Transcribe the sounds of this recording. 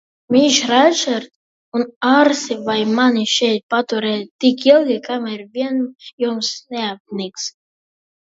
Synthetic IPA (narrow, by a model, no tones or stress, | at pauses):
miʃɾat͡ʃɛɾt̪ | unaɾsivajmanʲiʃɛjt̪̚pat̪uɾɛt̪ikilˠɡikamiɾvʲiɛnjumsnɛap̚nʲiks